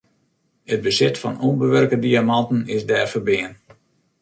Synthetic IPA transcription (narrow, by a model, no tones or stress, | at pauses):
ət̚bəsɪtfɔ̰nonbəʋørkədiamɑntənɪsdɛːrfərbɪːən